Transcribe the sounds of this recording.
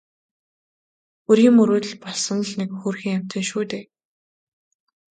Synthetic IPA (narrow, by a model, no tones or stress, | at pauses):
uɾiːmɵɾoːt̪̆ɮpɔɮsə̆nɮnekxuːrxiːŋam̥ʲt̪ɘ̆nʃuːt̪eː